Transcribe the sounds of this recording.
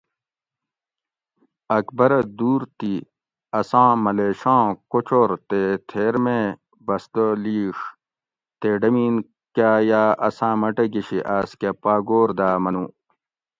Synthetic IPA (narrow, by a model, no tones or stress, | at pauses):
ɐkbɐɾɐd̪uːɾt̪i | ɐsãːmɐleːɕãːkot͡ɕʰoːɾt̪et̪ʰeːɾme | bɐsd̪oliːʂ | t̪eɖɐmiːn | kaːjaːʔɐsãːmɐʈɐɡiɕiʔaːskepaːɡoːɾd̪aːmɐnũː